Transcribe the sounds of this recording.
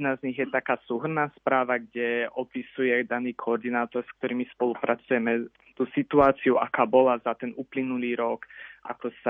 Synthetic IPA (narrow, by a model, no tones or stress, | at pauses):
nazɲiɣjɛt̪akaːsuːɦr̩naːspɾaːʋaɡɟɛɔpisujɛd̪aniːkʰɔɔɾd̪inaːt̪ɔɾsk̚t̪ɔɾiːmispɔlupɾat͡sujɛmɛ | t̪uːsit̪uaːt͡siuʔakaːbɔlazat̪ɛnuːplinuliːɾɔkʔa̰kɔsa